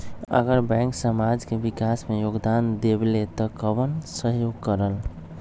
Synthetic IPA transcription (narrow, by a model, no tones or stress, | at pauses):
ə̰ɡəɾbɛ̃ŋksəmad͡ʒkebikasmejoɡd̪and̪eblet̪ɔkəbənsəɦjoɡkəɾəl